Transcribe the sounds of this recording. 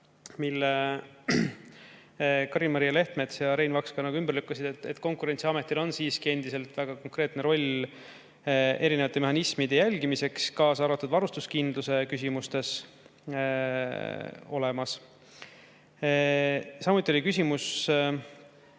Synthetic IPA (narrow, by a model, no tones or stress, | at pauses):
milːe | kɑɾimɑɾijːɑle̞ht̪me̞t̪sjɑɾe̞jnvɑkskɑnɑɡ̥uymbərlykːˑɑsid̪̥et̪ːet̪ːˑko̞ŋkuɾe̞nʲt̪siɑmet̪ːˑilo̞nsiːskie̞nd̪ise̞lt̪ˑvæɡ̥ɑko̞ŋkɾe̞ːt̪neɾo̞lʲ | e̞ɾinevɑt̪ːˑe̞meɦɑnismid̪̥e̞jælʲɡimise̞kskɑːsɑɾvɑt̪ːud̪vɑɾust̪uskind̪luse̞kys̬ʲimust̪e̞s | o̞̰le̞mɑs | sɑmut̪ːˑiolʲikysʲimus